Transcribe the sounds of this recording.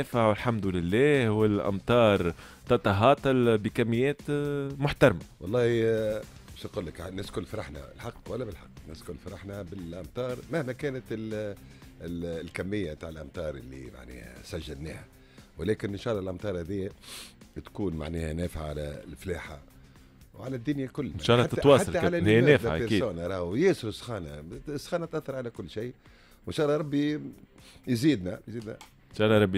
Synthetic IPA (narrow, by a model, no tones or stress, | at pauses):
fʕawɪlħamd̪ʊlɪlːæːhwɪlʔa̰mt̪ˤɑːɾˤ | t̪ɑt̪ɑɦɑːt̪ˤɑlbikamːɪjːɛːt̪mʊħt̪ɑɾˤmawɑlˤːɑːhi | ʃqʊlːəknɪskʊlːfɑɾˤɑħna̰lħɑqːwalːæbɪlħɑqːnɪskʊlːfɑɾˤɑħnabɪlʔamt̪ˤɑːɾˤmæhmækɛːnat̪ɪl | lkamːɪjːat̪aːʕɪlʔamt̪ˤɑːɾˤʔɪlːḭma̰ʕnɛ̰ːhæ̰sæʒːalnɛ̰ːha | wlɛːkɪnɪnʃɑːlˤːɑlʔɑmt̪ˤɑːɾˤhæðɪjːæ | t̪kuːnma̰ʕnɛːhænæːfʕaʕalælfleːħa | wʕalæd̪ːʊnjakʊlːnʃɑːlːɑt̪ːtwɑːsħaʕalæɪnæːd̪aeɾiːsdoːnaɾˤɑːhjeːsʊɾsxɑːnasːxɑːnæt̪ʔæθːɑɾˤʕalækʊlːʃiː | wɪnʃɑːlˤːɑɾˤɑbːi | jziːd̪næjziːd̪næ̰ | nʃɑːlːɑɾˤɑbːi